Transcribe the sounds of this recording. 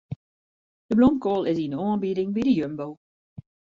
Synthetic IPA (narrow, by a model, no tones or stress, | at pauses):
dəblɔmkɔːlˠɪzinɔːnbiɾɪ̃ŋbiɾəjømbow